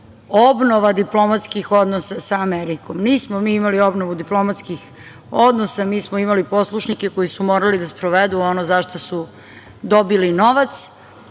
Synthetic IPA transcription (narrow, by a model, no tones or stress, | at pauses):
obnoʋad̪iplo̞mat̪skixo̞d̪nosasaːmeɾikomniːsmomiːimalio̞bnoʋud̪iplˠo̞mat̪skix | od̪nosamiːsmoimalipo̞slˠuʃnikeko̞jisumoːɾalid̪aspɾoʋed̪uonozaʃt̪osu | d̪o̞bilino̞ʋat̪s